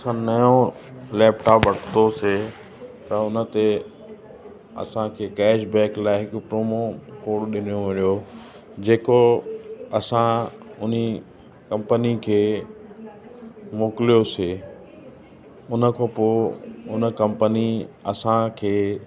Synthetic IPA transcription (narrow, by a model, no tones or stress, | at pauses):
ɐsãnɐjõlɛːpʈaːpʋɐɽ̤ʰt̪ose | t̪ɐʊnə̆t̪e | ɐ̰sãkʰeːkɛːʃbɛ̃ːklaːɪɦɪkʊ̆pɾoːmokoːɽɗɪnijoʋɐɾijo | d͡ʑeːko | ɐsãʊni | kɐ̃mpənikʰeː | moːkɪlijoseː | ʊnə̆kʰoːpoʊnə̆kɐ̃mpəniɐsãkʰeː